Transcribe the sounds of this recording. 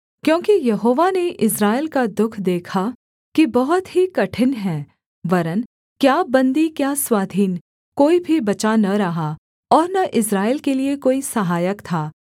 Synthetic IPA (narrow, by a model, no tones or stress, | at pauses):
kjõːkijɐɦoːʋaneʔɪsɾaːɪlkad̪ʊkʰd̪eːkʰa | kibɐɦʊt̪ɦikɐʈʰɪnɦɛ̃ː | ʋɐɾən | kjaːbɐ̃nd̪ikjaːswaːd̪ʱiːn | koːibʱibɐt͡ʃanɐɾɐɦa | ɔːɾnɐʔɪsɾaːɪlkeliekoːisɐɦaːjəkt̪ʰaː